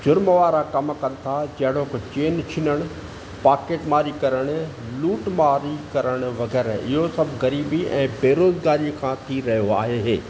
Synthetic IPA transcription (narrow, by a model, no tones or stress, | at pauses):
d͡ʑʊɾməʋaːɾakɐmkɐnɪ̆t̪ʰad͡ʑɐɦɪɽ̤okt͡ɕeːnt͡ʃʰɪnəɽ̃ʊ | paːkeːʈmaːɾikɐɾəɽ̃ | luːʈmaːɾikɐɾəɽ̃ʊ̆ʋɐɡɛːɾɪɦosɐbʱɣɐɾiːbiɛ̰̃ːbeːɾoːzɡaːɾikʰãːt̪ʰiɾɐɦijoa̰ːɦeɦeː